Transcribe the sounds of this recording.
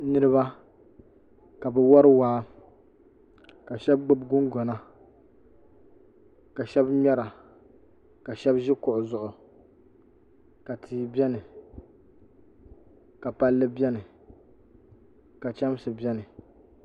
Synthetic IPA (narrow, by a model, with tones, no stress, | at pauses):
nɨ˦ɾɨ˦βa˦ | ka˨bɛ˨wɔ˦ɾɨ˦waː˦ | ka˨ʃɛ˦b̚ɡ͡bɨ˦bɡʊ˦ŋɡɔ˨na˦ | ka˨ʃɛ˦bɲɛ˦ɾa˨ | ka˨ʃɛ˦bʒɪ˦kʊ˨ʔʊ˨zʊ˨ʔʊ˨ | ka˨tʰiː˨˦bʲɛ˦nɨ˨ | ka˨pa˦lːɨ˦bʲɛ˦nɨ˨ | ka˨t͡ʃɛ˦m˦sɨ˨bɛ˦nɨ˨